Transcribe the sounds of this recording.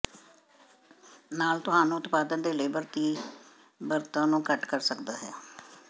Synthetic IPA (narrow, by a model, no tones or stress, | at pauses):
naːlt̪ʊɦaːnũːʊt̪paːd̪ənd̪eːləeiːbəɾt̪iː | bəɾt̪ãːnũːkəʈkəɾsəkd̪aːɦɛː